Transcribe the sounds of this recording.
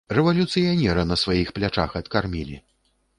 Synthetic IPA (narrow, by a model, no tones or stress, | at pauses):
rɛvɐlʲut̪sɨjanʲɛɾɐnɐsvajixplʲat͡ʂa̰xɐt̪karmʲilʲḭ